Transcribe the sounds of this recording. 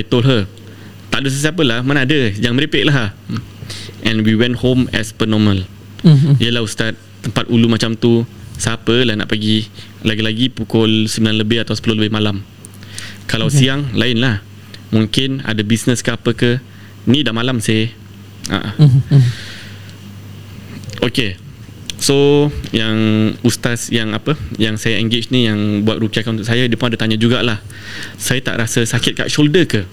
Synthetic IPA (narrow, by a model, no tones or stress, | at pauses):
et̪olɦə | t̪aʔdos̬əsap̬əlahmanadəd͡ʒaŋməɾipɛʔ̚laɦ | ʔɛ̃nwiwɛ̃nthomɛspənɔməl | ijəlahust̪at̪̚t̪ːəmpat̪̚ulumat͡ʃamt̪usapəlahna̰ʔpəɡi | laɡilaɡipukɔlsəmbilanləbɪhat̪awsə̥pəloləbɪhmalam | kalawsiaŋlaɪnlah | mũŋkɪna̰dabisnəskəapəkə | nĩdaʔmalamsɪ | a̰ʔ | oke | sojaŋust̪asjaŋapəjaŋsajaɛŋɡɪt͡ʃnijaŋbuat̪̚ɾukiakanunt̪ʊʔsajadiəpʊnadat̪aɲãd͡ʒuɡaʔlah | sajat̪a̰ʔɾasəsakɪt̪̚ka̰ʔʃoldəkə